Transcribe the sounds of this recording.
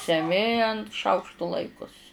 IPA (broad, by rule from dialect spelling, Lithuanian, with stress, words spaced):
sʲɛˈmʲɪ ɐnt ˈʃɐʊkʃtʊ ˈlˠɐɪkʊs